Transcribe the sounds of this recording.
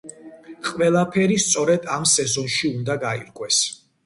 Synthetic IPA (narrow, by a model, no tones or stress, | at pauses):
qʼwɛlˠapʰɛɾist̪sʼɔɾɛd̪amsɛzɔnʃiund̪aɡaḭɾkʼwɛs